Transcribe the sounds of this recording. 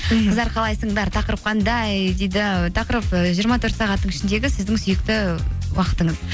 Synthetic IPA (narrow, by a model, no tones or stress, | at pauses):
qʰəzɑɾqʰɑlˠɑjsəɴd̪ɑɾt̪ʰɑqəɾəp̚qʰɑnd̪ɑjd̪ejd̪ɪt̪ʰɑqəɾəpəʒijəɾmɑt̪ʰɵɾt̪sɑʁɑt̪ːəɴɪʃɪnd̪e̞ɡʲɪsɪzd̪ɪŋsʏjɪkt̪ɪwɑqə̥t̪əɴəz